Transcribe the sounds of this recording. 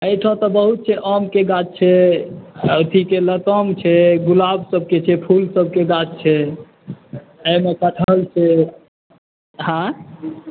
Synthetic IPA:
əjʈʰɔ̃t̪ɔbəɦut̪̚t͡ʃʰɛʔəmkeɡat͡ʃ̚t͡ʃʰɛ | t̪ʰikelət̪əmt͡ʃʰɛɡulabsəb̚ʱket͡ʃʰɛpʰulsəb̚ʱkeɡat͡ʃt͡ʃʰɛ | əjmekəʈʰəlt͡ʃʰɛ | hã

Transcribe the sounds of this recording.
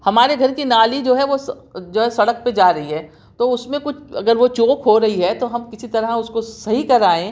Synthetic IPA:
hɐmaːɾeɡʱɐɾkinaːlid͡ʒoːɦɛʋosd͡ʒoːɦɛsɐɽək̚ped͡ʒaːɾɐɦiɦɛː | t̪oʊsmẽkʊt͡ʃʰɐ̰ɡəɾʋot͡ʃoːkɦoɾɐɦiɦɛt̪oɦɐmkɪsit̪ɐɾaʊskosɐɦikɐɾaːẽ

